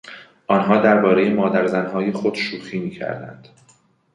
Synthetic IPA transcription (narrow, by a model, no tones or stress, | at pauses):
ʔɒːnɦɒːd̪æɾbɒːɾe̞jemɒːd̪æɾzænɦɒːje̞xod̪ʃuːxiːmiːcʰæ̰ɾd̪æ̰nd̪̥